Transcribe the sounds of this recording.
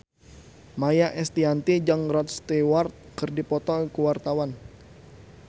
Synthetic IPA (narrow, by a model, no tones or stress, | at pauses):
majaʔɛst̪iant̪id͡ʒaŋɾɔt̪̚st̪iwart̪̚kɨrdipɔt̪ɔkuwart̪awan